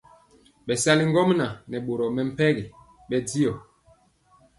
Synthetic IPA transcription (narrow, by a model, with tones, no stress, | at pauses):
ɓɛ˨sa˦li˦ŋɡɔ˦mna˨nɛ˨ɓo˨ɾɔ˨mɛ˨m̩˦pɛ˦ɣi˨ | ɓɛ˦di˦ɔ˨